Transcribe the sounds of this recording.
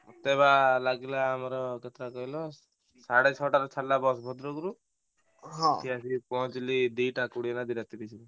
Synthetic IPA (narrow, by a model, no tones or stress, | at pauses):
ɔt̪ebalaɡilaːmɔɾɔket̪ɾakɔɦilɔ | saɽet͡ʃʰɔʈaɾɔt͡ʃʰaɽlabɔsbʱɔd̪ɾɔɡuɾu | ɦɔ̃kʰiasipɔt͡ʃlid̪iʈakuɽienad̪iɾat̪iɾit͡ʃʰi